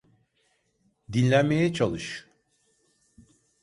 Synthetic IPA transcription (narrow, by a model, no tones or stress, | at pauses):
d̪inʲlʲænme̞jɛt͡ʃʰalˠɯʃ